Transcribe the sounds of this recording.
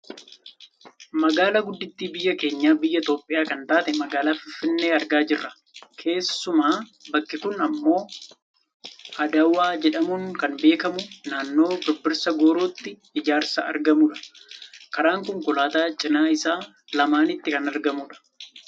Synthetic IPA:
mɐɡaːlaɡʊd̪ːɪt̪ːiːbɪjːɐke̞ːɲːaːbɪjːɐɪt̪o̞ːpʼːɪjaːkɐnt̪aːt̪ɛmɐɡaːlaːfɪfːɪnːeːɐɾɡaːd͡ʒɪrːɐ | kʰe̞ːsːʊmaːbɐkːɪkʊnɐmːo̞ː | ʔɐd̪ɐwaːd͡ʒɛᶑɐmuŋkɐnbe̞ːkɐmʊnaːnːo̞ːd̪ɔbːɪɾsɐɡoːɾoːt̪ːɪ | ɪd͡ʒaːɾsɐɐ̰ɾɡɐmuːᶑɐ̥kɐɾaːŋkʊŋkʊlaːt̪aːt͡ʃʼɪnaːɪsaː | lɐmaːnɪt̪ːɪkɐnɐɾɡɐmuːᶑɐ̥

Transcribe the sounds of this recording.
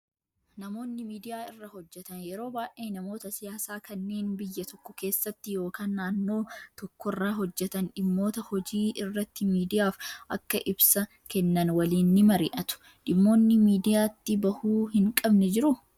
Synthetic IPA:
nɐmo̞ːnːɪmiːd̪ɪjaːɪrːɐhɔd͡ʒːɛt̪ɐnjɛɾo̞ːbaːʔeːnɐmo̞ːt̪ɐsɪjaːsaːkʰɐnːe̞ːnbɪjːɐt̪ɔkːɔke̞ːsːɐt̪ːɪjo̞ːkaːnːaːnːo̞ːt̪ɔkːɔrːaːɦɔd͡ʒːɛt̪ɐnᶑɪmːo̞ːt̪ɐhɔd͡ʒiːɪrːɐt̪ːɪmiːd̪ɪjaːfʔɐkːɐʔɪbsɐ | kɛnːɐnwɐliːnːɪmɐɾɪ̰ːʔɐt̪ʊ̥ | ᶑɪmːo̞ːnːɪmiːd̪ɪjaːt̪ːɪbɐhuːhɪŋkʼɐbnɛd͡ʒɪɾʊ

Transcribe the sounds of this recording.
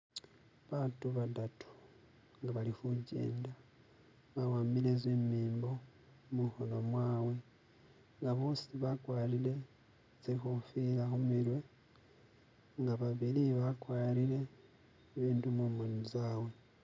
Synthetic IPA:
βatuβadatu̥ | ŋɡaβalixuɟḛːnda | βawaːmilezemiːmbo̞ | muxono̞mwaːwe̞ | ŋɡaβo̞ːsiβakwaːɾile̞ | zexufilaxumiɾwe̞ | ŋɡaβaβiliβakwaːɾiɾe̞ː | βiːndumumonuzaːwe̞

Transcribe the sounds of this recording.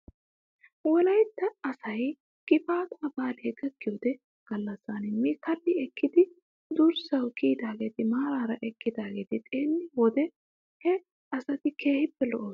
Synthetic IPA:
wɔlɐjt̪ːɐːsɐj | kʼɪfaːt̪ʊmɐbaːleːɡɐɡːɪjoːd̪ɛ | ɡ̥ɐlːɐsːanɪmːikɐlːɪɛkːɪd̪ɪ | d̪ʊɾsɐwkiːd̪aːɡe̞ːt̪ɪmaːɾaːɾɐʔɛkːɪd̪aːɡe̞ːt̪ɪt̪ʼeːnːɪwɔd̪ɛ | hɛ | ɐsɐt̪ɪkeːhɪpːɛlɔ̰ʔoː

